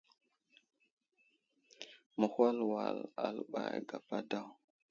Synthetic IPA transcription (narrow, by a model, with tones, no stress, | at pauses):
mə˨hwa˦lwa˨la˨lɓa˨jɡa˨pa˦da˦˨w